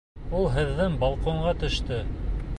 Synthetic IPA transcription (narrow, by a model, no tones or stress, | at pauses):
ulˠɦɘ̆ðːɘŋbɑlˠqoɴɢɑt̪ɵ̆ʃt̪ɘ